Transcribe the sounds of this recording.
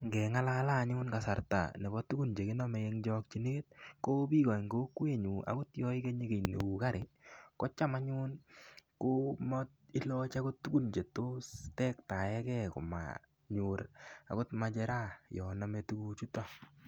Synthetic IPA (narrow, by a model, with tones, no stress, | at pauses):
ŋɡɛ˨ŋa˦lala˦˨ɲʊː˦nka˨sa˨ɾta̰˨nɛ˨bɔ˦tːu˦ɡu˦nd͡ʒe˨kɪ˦nɔ˦mɛ˨e˦ŋd͡ʒɔk̚t͡ʃi˨ne˦e˦t̚ko˦bi˦kɔ˨ŋɡo˦kwe˦ɲu˨ʔa̰˨kʊ˦tjɔ˦ɪ˦ke˦ɲe˦ɡe˨nḛ˨u˨ka˦ɾɪ˨kɔ˦t͡ʃa˦ma˦ɲu˦nko˦mɔ˦tɪ˦lɔ˦t͡ʃa˦kʊ˦tːu˦ku˦nd͡ʒe˨to˦stɛ˦kta˨jɛ˦kɛ˦ko̰˨ma̰ | ɲu˨ɾa̰ko˦tma˦d͡ʒɛɾa˦jɔ˨na˦me˦tu˦kut͡ʃu˦ta˦